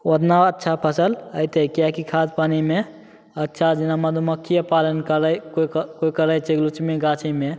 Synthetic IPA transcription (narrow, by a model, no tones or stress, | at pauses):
wod̪naətːʃʰapʰəsələjt̪ekjakikʰad̪paːnimẽ | ətːʃʰad͡ʒɪnamɐd̪ʱuməkʰːijəpaːlənkəɾəjkokoikəɾəjt͡ʃeɡlut͡ʃmẽɡat͡ʃʰime